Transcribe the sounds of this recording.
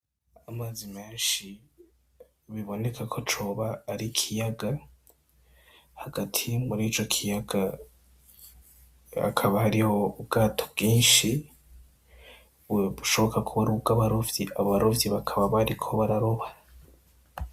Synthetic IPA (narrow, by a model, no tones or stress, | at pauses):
amazimeːnʃi | βiβo̞ne̞kʰakʰo̞t͡ʃo̞βaːɾikʰijaɡa | haɡatʰimuɾiːt͡ʃo̞kʰijaɡa | a̰kʰaβahaɾioubɡ̥aːtʰobɡ̥iːnʃi | uuʃo̞βo̞kakʰuβaɾuɡaβaɾovjiʔaβaɾovjiβakʰaβaβaɾikʰo̞βaɾaɾoβa